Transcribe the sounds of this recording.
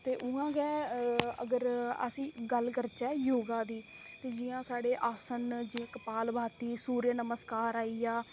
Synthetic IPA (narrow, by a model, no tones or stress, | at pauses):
t̪eːʔʊãːɡɛːə̰ɡəɾə̰sĩːɡəlkəɾt͡ʃɛːjoːɡãːd̪iː | t̪eːd͡ʒɪːjãːsaːɽeːʔaːsənd͡ʒiːãːkəpaːlbʱaːt̪iːsuːɾjənəməskaːɾaːiːaː